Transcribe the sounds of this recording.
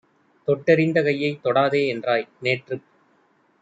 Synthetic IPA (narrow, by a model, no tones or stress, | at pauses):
t̪ɔʈːɛɾɪnd̪ɐkɐjːɐɪt̪ːɔɽaːðeːɛndraːjneːʈrɯ